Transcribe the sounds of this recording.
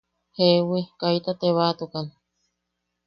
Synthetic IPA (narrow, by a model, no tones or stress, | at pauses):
hewekait̪at̪eβat̪ukan